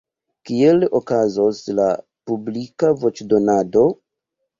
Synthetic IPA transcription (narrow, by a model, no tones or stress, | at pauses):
kielokazosla | publikavo̞t͡ʃdo̞nado̞